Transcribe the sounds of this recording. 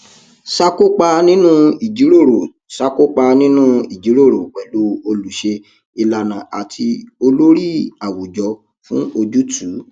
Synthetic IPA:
sa˧ko˦k͡pa˧nĩ˦nũ˦i˨d͡ʒi˨˦ɾo˦˨ɾo˨ | sa˧ko˦k͡pa˧nĩ˦nũ˦i˨d͡ʒi˨˦ɾo˦˨ɾo˨k͡pɛ˨lo˧˦o˧lu˨˦ʃe˧ | i˧la˧nã˨a˨tʰi˧o˧lo˦ɾi˦a˨wo˨d͡ʒɔ˨˧ | fũ˦o˧d͡ʒu˦tʰu˨˦

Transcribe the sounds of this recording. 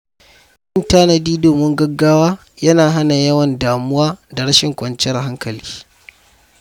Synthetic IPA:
ʔɪ˦ntaː˦nɐ˨diː˦doː˨mɪ˦ŋɡɐ˦ɡːaː˦waː˦ | jɐ˦naː˨ɦa˦na˨jɐ˦wɐ˨ndaː˨mʊ˦waː˦da˨ɽɐ˦ʃɪ˨ŋkʷʼɐ˨nt͡ʃɛ˦rɦa˦ŋkɐ˨li̥ː˦

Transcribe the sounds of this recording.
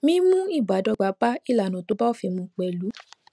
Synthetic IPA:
mĩ˧˦mũ˦i˦˨ba˨˦dɔ˧ɡ͡ba˨˦ba˦i˦˨la˨nã˨to˨˦ba˦o˦˨fi˨˧˨mũ˧k͡pɛ˨lu˨˦

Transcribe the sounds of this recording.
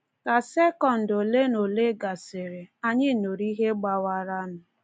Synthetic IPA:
ka˨se˦kɔ˨n̩˨do˨le˦no˨le˦ɡa˨sɪ˨ɾe˨a˦ɲɪ˦˨no˨ɾi˦ɦe˦ɡ͡ba˦wa˦ɾa˦nʊ˨

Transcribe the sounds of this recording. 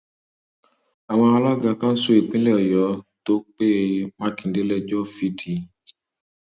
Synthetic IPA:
a˨w̃ɔ̃˧a˧lɔ˦ɡa˧kã˦n̩˦so˧e˨k͡pĩ˦lɛ˦ɔ˨jɔ˨˦to˦k͡pe˦mã˦kĩ˨n˨de˦lɛ˧d͡ʒɔ˦˨fi˨˦tʰi˧

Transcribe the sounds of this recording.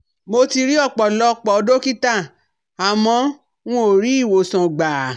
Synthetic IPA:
mo˧ti˧ɾi˦ɔ˦˨k͡pɔ˨lɔ˧˦k͡pɔ˨ɔ˧do˦ki˦ta˦˨ | a˨mɔ̃˨˧˦ | w̃ɔ̃˦o˨ɾi˨˦i˦˨wo˨sɔ̃˨ɡ͡baː˨

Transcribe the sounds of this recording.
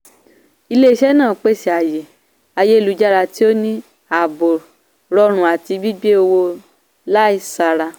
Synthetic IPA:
i˧le˦i˧˦ʃɛ˦nãː˦˨k͡pe˦˨si˨a˨je˨ | a˧je˦i˦˨lu˨˧˦d͡ʒa˦ɾa˧ti˦o˦nĩ˦ | a˨bo˨ | ɾɔ˧ɾ̃ũ˨a˨ti˧bi˦ɡ͡be˦o˧wo˧ | la˦i˦˨sa˧ɾa˧

